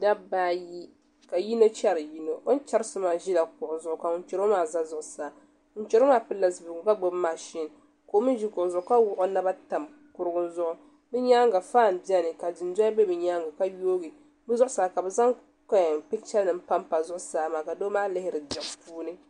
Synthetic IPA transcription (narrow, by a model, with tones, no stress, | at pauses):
da˦baː˦ji˦ | ka˨ji˦no˦t͡ʃɛ˦ɾɨ˨ji˦no˨ʔo˦n˦t͡ʃa˦ɾsʊ˦maː˨ʒi˦la˨kʊ˨ʔʊ˨zʊ˨ʔʊ˨˦ka˨ʊ˦n˦t͡ʃɛ˨ɾo˦maː˨za˦zʊ˨ʔʊ˨saː˨˦ | ʊ˦t͡ʃɛ˨ɾo˦maː˨˦pɨ˦la˨sbɪ˨ɡʊ˨˦ka˦ɡ͡bo˦bma˨ʃi˦n˨ | ko˨˦mɨ˦ʒi˦kʊ˨ʔʊ˨zʊ˨ʔʊ˦ka˦wʊ˦ʔo˦na˦ba˦ta˨m | kʊ˨ɾɨ˦ɡʊ˦nzʊ˦ʔʊ˦ | nɨ˦ɲa˦ŋɡa˨faː˦˨m˨bi˦ɛ˦nɨ˨ka˨dɨ˨n˦da˦bɛ˦bɨ˨ɲa˦ŋɡa˨ka˦joː˦ɡi˨ | bɨ˦zʊ˦ʔʊ˦saː˨ka˨bɛ˨za˦ŋ | ka˦˨pɪ˦t͡ʃɛ˦lnɨ˨m̩˦pa˦mpa˨zʊ˦ʔʊ˦saː˦maː˨ka˨do˦maː˦lɪ˦hɪ˦ɾɨ˨dɛ˨ʔpuː˦nɨ˦